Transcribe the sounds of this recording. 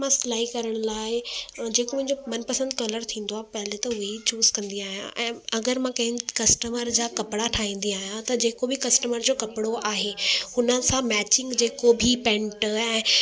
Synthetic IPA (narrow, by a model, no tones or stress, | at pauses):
mãslaːikɐɾəɽ̃laːɪd͡ʑeːkomʊ̃ɦɪ̃ɲd͡ʑomɐnpɐsə̃nd̪kɐləɾt̪ʰĩːnd̪oaːpɐɦɪlet̪ɐɦʊit͡ɕuːzkɐ̃nd̪iaːɦijã̰ʔɛ̃ːɐɡəɾmãkɐ̃ɦɪ̃kɐsʈəməɾd͡ʑaːkɐpɪɽaʈʰaːɦĩːn̆d̪iaːɦijãt̪ɐd͡ʑeːkobʱikɐsʈəməɾd͡ʑoːkɐpɪɽoʔaːɦehʊnəsãmɛːt͡ɕɪ̃ŋɡd͡ʑeːkobʱipɛ̃ɳʈɛ̃ː